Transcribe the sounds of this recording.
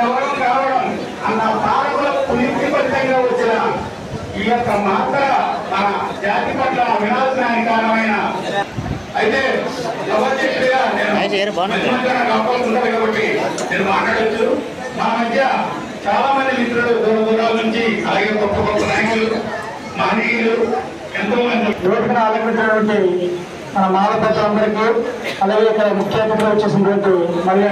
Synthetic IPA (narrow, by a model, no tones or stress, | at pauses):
ɛʋɐɽɐmkaːʋɐɽɐm | ɐnt̪ast̪ʰaːɾɐkulɐkːɐniɾt̪ipɐʈit̪ɐŋɡaːʋɐt͡ʃːinɐ | iokːɐmaːt̪ɐmɐnɐd͡ʒaːt̪ipɐʈlɐʋinaːd͡ʒnaːjɐkaːnɐʋɐjnɐ | ɐjit̪eː | ɡɐʋɐɾt͡ʃitijaːneːnumɐt̪ːɐmɐd̪ɐnɐkaːpɐːɐuɳɖɐːɽuɡaːbɐʈːineːnumaːʈlaːɽɐt͡ʃːu | mɐnmɐd̪ʱjɐ | t͡ʃaːlaːmɐnd̪imit̪ɾɐɽud̪uːɾɐd̪ulːaːlnuɲt͡ʃiɐlaːɡe̞ːkɔt̪ːɐkɔt̪ːɐnaːjikulu | maːniklu | ent̪ɐmɐnd̪iɛʋɐʈɐknaːlɐɐɐɐʈʋɐɳʈi | mɐnɐmɐɦalɐpɾɐtɐɐnd̪ɐɾikiɐlaːɡeːɔkːɐɐmukʰjɐɐkɐt̪ːɾɐʋot͡ʃːeːsind̪ʋɐɳʈumɐljɐ